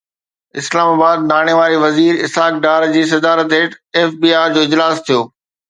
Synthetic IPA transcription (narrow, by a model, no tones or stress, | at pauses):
ɪslaːmaːbaːd̪̚naːɽ̃eʋaːɾiʋɐziːɾɪsaːk̚ɖaːɾd͡ʑiːs̬ɐd̪aːɾət̪eːʈeːfbiːaːd͡ʑoːɪd͡ʑlaːst̪ʰijoː